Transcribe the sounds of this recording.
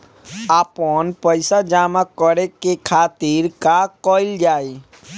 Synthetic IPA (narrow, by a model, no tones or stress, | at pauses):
aːpənpəɪsad͡ʒaːmakəɾekekʰaːt̪iɾkakɔːɪld͡ʒaːi